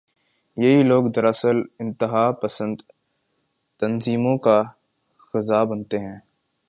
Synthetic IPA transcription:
jɐɦiloːɡd̪ɐɾəsəlɪ̃nt̪ɪɦaːpɐsə̃nd̪ | t̪ɐnziːmõka | xɐzaːbɐnt̪eɦɛ̃ː

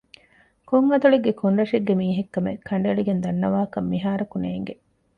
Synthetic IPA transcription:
koŋɐd̪uɭeɡːekʰoɳɾɐʂeɡːemiːɦekːɐmḛkʰːɐɳ̆ɖeɭiɡend̪ɐnːɐʋaːkɐmːiɦaːɾɐkuneːŋɡe

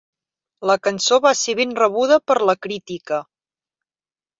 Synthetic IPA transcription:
ləkənsoβaseβenrəβuð̞əpəɾləkɾit̪ikə

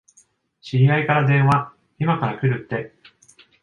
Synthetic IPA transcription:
ɕiaikaɾad̪ẽ̞ɰ̃βa | imakaɾakɯ̟ɾɯ̟t̪ːe̞

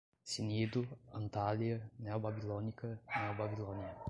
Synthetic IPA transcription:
sinid̪ʊɐ̃nt̪aliɐnɛwbabilonikɐnɛwbabilõniɐ

